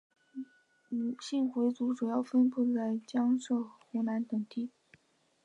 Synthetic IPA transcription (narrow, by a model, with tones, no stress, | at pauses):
ɕi˥˩ŋxwe˧˥ɪt͡su˧˥ʈ͡ʂu˨˩jɑ˥˩ʊfə˥npu˥˩t͡sa˥˩ɪt͡ɕjɑ˥ŋʂɤ˥˩xu˧˥na˧˥nt̪ɤ˨˩ŋt̪i˥˩